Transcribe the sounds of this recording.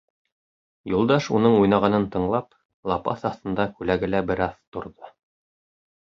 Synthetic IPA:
julˠd̪ɑʃunɤɴujnɑʁɑnɤnt̪ɤ̆ɴlˠɑp | lˠɑpɑ̰θɑθt̪ɤ̆nd̪ɑkʉlæɡɘ̆læbɘ̆ɾɑðt̪ŏɾðo

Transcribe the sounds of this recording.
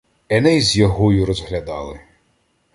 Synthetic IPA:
ɛnɛjzʲjɔɦɔjʊɾɔzɦlʲɐd̪ɑlˠɪ

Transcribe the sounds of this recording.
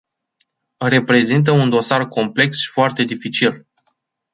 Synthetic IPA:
re̞pɾe̞zint̪̬əund̪o̞sarkʰo̞mple̞ksʃi̥foart̪e̞d̪ifit͡ʃil

